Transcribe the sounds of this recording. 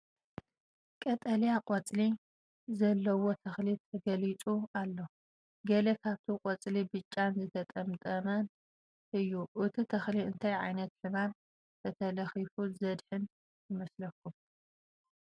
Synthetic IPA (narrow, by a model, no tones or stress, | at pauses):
kʼɐt̪ʼɐljaqʼot͡sʼli | zɐlːɐwo̞t̪ʰɐxlit̪ʰɐɡɐlit͡sʼualːo | ɡɐlɐkʰaβt̪ʰiqʼot͡sʼlibɨt͡ʃʼːanzɨt̪ʰɐt̪ʼɐmt̪ʼɐmɐn | ʔɨjːuʔɨt̪ʰit̪ʰɐxliɨnt̪ʰajʕa̰jnɐt̪ħɨman | t̪ʰɐt̪ʰɐlɐxifuzɐd̪ħɨn | jɨmɐslɐkʰːum